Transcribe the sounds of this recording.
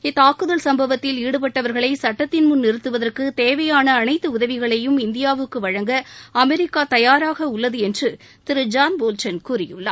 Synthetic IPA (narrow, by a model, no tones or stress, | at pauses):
ɪt̪ːaːkɯðɐlsɐmbɐʋɐt̪ːɪliːɽɯpɐʈːɐʋɐɾɣɐɭɐɪsɐʈːɐt̪ːɪnmʊnːɪɾɯt̪ːɯʋɐðɐrkɯt̪eːʋɐjaːnɐːnɐɪt̪ːɯʊðɐʋɪɣɐɭɐjɯmɪnd̪ɪjaːʋɯkːɯʋɐɻɐŋɡɐɐmɛɾɪkːaːt̪ɐjaːɾaːɣɐʊɭːɐðɯɛndrɯ | t̪ɪɾɯd͡ʒaːnboːlt͡ʃɐnkuːɾɪjɯɭːɐ̰